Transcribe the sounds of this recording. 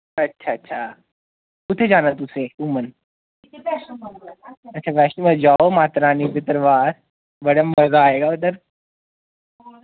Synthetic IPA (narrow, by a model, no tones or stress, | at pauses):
ɐtːɕʰaətːɕʰa | kut̪ʰed͡ʒanət̪ːuseumən | ətːɕʰapɛʂənməd͡ʑaomat̪ɾaːnibit̪əɾʋaːɾ | bəɽəmːəɾɡaːeɡaut̪əɾ